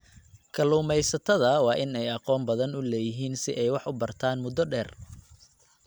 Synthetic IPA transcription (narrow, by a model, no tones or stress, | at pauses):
kʰɐluːmɛjsɐt̪ʰɐðɐwɑːʔɪnɛjɑqɔːmbɐðɐnʊlɛːjɪɦiːnsɪʔɛjwɑħʊbɐrt̪ʰaːnmʊd̪ɔɖɛːr